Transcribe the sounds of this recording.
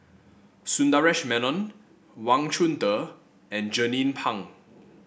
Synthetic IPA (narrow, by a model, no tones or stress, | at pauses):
sũndaɹɛʃmɛnɔ̃n | wãŋt͡ʃʰũntə | ɛ̃nd͡ʒənĩnpʰãŋ